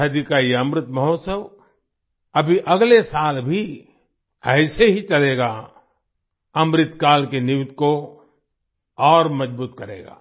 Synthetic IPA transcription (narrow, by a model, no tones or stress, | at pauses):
ɐd̪ikaijɐmɾɪt̪mɐɦoːt̪səw | ɐbʱiʔɐɡlesaːlbʱi | ɛːseɦit͡ʃɐleːɡa | ɐmɾɪt̪kaːlkenɪʋɪt̪ko | ɔːɾmɐd͡ʒbuːt̪kɐɾḛːɡa̰ː